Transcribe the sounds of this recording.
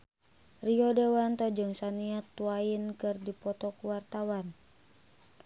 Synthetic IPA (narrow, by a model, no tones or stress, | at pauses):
riɔdewant̪ɔd͡ʒɨŋsaniat̪ːuainkɨrdipɔt̪ɔkuwart̪awan